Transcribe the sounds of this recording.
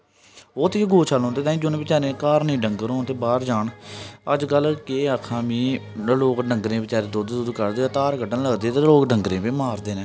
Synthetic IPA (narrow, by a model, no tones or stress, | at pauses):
oːt̪eːɡoːt͡ʃʰəlɦõːnd̪eːt̪aːĩːd͡ʒonẽːbɪt͡ʃaːɾẽːkaːɾnĩːɖəŋɡəɾõːnt̪eːbaːɾd͡ʒaːɳəd͡ʒɡəlkeːəkʰãːmĩː | loːkɖəŋɡɾẽːbɪt͡ʃaːɾẽːd̪oːd̪eːd̪ʊd̪kəɾd̪et̪aːɾɡəɖənləɡd̪eːt̪eːloːkɖəŋɡɾẽːpĩːmaːɾd̪eːneː